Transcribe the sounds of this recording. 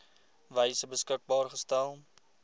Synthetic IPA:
vɛjsəbəskək̚bɑːrχəstælˠ

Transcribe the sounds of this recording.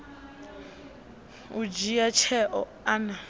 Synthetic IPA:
ud͡ʒijat͡ʃʰɛʔɔ | ana

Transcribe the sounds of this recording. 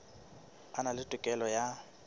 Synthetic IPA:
analɪtʼʊkʼɛlɔja

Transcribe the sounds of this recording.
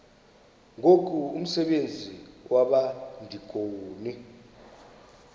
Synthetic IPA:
ŋokʰʼuum̩sɛɓend͡zʱiwʔaɓandʱikʼoːni

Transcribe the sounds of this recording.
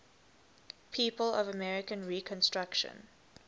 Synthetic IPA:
pʰiːpəlɔvəmɛɹɪkə̃nɹikʰə̃nstɹ̥akʃə̰̃n

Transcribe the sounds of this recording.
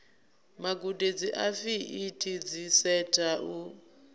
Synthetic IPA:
maɡuded͡ziʔafiʔːtʰid͡zisɛtʰʼaʔu

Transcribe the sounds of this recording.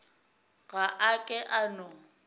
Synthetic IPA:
ɣaʔakʼɛʔanʊ

